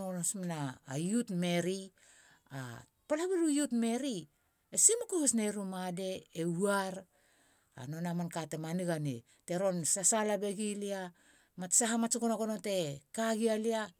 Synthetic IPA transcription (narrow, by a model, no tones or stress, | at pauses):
onosmanaːjutme̞ɾi | a̰ | palaβiɾujutme̞ɾi | esimukohosne̞ɾumade̞euaɾ | a̰nonamankatemaniɡanḛ | te̞ɾo̞nsasalabe̞ɡilia | matsaɦamat͡ʃukonaɡonote̞kaɡialia